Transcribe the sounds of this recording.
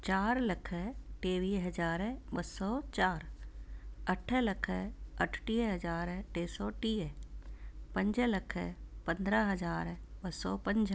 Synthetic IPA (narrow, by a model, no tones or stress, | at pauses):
t͡ʃaːɾlɐkʰəʈeːʋiːɦɐd͡ʒaːɾbɐsɔːt͡ʃaːɾ | ɐʈʰlɐkʰəɐʈʰʈiːɦɐd͡ʒaːɾʈeːsɔːʈiː | pɐ̃ɲd͡ʒlɐkʰəpə̃nd̪ɾəɦɐd͡ʒaːɾbɐsɔ̰ːpɐ̃ɲd͡ʒ